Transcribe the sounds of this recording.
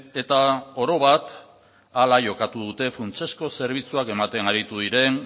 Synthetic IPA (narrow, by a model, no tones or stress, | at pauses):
e̞t̪aoɾo̞β̞at̪ | alaʝo̞kat̪uð̞ut̪e̞fɾunt͡ʃe̞sko̞se̞ɾβ̞it͡suake̞mat̪e̞naɾit̪uðiɾe̞n